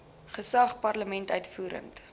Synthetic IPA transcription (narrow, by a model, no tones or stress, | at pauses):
χəsɐχpɐrləmɛntœɥtfuːɾə̰nt